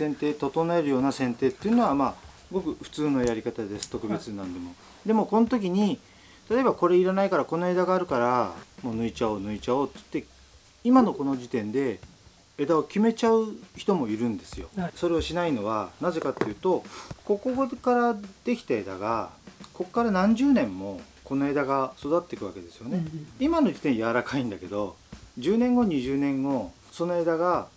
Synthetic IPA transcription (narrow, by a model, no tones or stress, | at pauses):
sẽ̞nt̪e̞ːt̪o̞t̪o̞nae̞ɾɯjo̞ːnasẽ̞nt̪e̞ːt̪ːeiɯ̟no̞βamaːsɡo̞kɯ̟ɸɯ̟̥t͡sɨːno̞jaɾʲikat̪ad̪e̞sɨ̥t̪o̞kɯ̟be̞t͡sɨnãnd̪e̞mo̞ | d̪e̞mo̞ko̞not̪o̞k̬ʲiɲ̟i | t̪at̪o̞e̞bako̞ɾe̞iɾanaikaɾako̞no̞e̞d̪aɡaːɾɯ̟kaɾamo̞nɯ̟it͡ɕaonɯ̟it͡ɕaot̪t̪ːe̞ | imano̞ko̞no̞d͡ʑit̪ẽ̞nd̪e̞ | e̞d̪aokʲime̞t͡ɕaɯ̟çi̥t̪o̞mo̞iɾɯ̟̃nd̪e̞sɨjo̞̰so̞ɾe̞oɕinaino̞β̞anaze̞kat̪ːejɯ̟ːt̪o̞ko̞ko̞ɡokaɾad̪̥e̞kʲi̥t̪ae̞d̪a̰ɡako̞kːaɾanãɲ̟d͡ʑɨːnẽ̞mːo̞ | ko̞no̞e̞d̪aɡaso̞d̪at̪ːe̞kɯ̟βake̞d̪e̞sɨjo̞neimano̞d͡ʑit̪ẽ̞ɰ̃jaβaɾakaĩnd̪ake̞d̪o̞d͡ʑɨːnẽ̞ŋɡo̞ɲ̟iʑɨːnẽ̞ŋɡo̞ | so̞noe̞d̪aɡa